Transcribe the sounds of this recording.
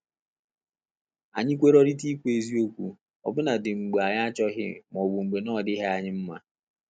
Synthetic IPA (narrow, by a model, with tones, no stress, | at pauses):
a̰˨ɲɪ˦kʷe˦ɾɔ˦ɾi˦ti˦kʷe˨zi˦o˦kʷu˨ | ɔ̰˨bʊ˦na˨dɪ˨ŋ͡m̩˨ɡ͡be˨a˨ɲa˦a˦t͡ʃɔ˦ɦɪ̰˦˨m˨ɔ˨wu˨ŋ͡m̩˨ɡ͡be˨nɔ˦˨dɪ˦ɦe˦a˨ɲɪ˦m̩˦ma̰˦